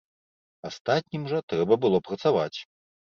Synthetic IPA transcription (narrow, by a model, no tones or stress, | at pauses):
ast̪at̪̚ʲnʲimʐɐt̪ɾɛbɐbɨlˠɔpɾɐt̪savat͡sʲ